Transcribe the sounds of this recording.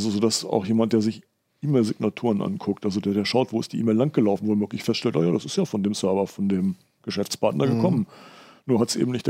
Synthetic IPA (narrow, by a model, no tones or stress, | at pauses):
zozoːdasa̰ʊxjeːmant̚d̥eːɐzɪç | ʔiːmeɪlzɪɡ̚natʰuːʁənʔa̰nkʰʊk̚tʔalzodeɐdeːɐʃaʊtv̥oːɪstd̥iːiːmeɪlːaŋ̚ɡ̥əlaʊfn̩voːmøʏɐklɪçfɛstʃtɛltʔaːjaːɾasɪstjaːfɔndeːmsœɐvɐfɔndeːm | ɡ̥əʃɛft͡spaɐtnʔɐɡəkʰɔmənnuːɐhatsʔḛːbm̩nɪçtd̥